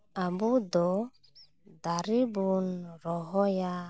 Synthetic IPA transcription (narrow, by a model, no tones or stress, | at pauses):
abud̪ɔ | d̪aɾibunɾɔɦɔja